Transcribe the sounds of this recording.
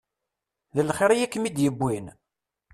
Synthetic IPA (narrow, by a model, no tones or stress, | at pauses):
ðəlχeɾijækːmid̪jəbːin